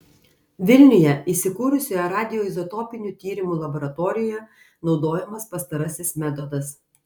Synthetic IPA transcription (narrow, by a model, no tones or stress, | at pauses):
ʋʲɪlʲnʲɪjɛiːsʲɪkuːɾʊsʲojɛɾɑːd̪ʲɪjoːɪzɔt̪ɔpʲɪnʲuːˑt̪ʲiːɾʲɪmuːlˠɐbɔɾɐt̪ɔːɾʲɪjɛ | nɒʊd̪oːjɛmɐspɐst̪ɐɾɐsʲɪsmʲɛt̪ɔd̪ɐs